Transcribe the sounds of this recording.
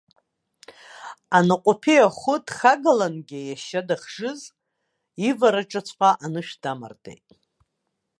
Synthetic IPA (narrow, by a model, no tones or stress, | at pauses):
anaqʷʼʊpʰejaχʷʊdχaɡalanɡʲɪjaʃadaχʐɨz | ivaɾaʈ͡ʂʼat͡sʷʰʼqʷʼaʔanɨʃᶣd̥ama̰rdʼḛjtʼ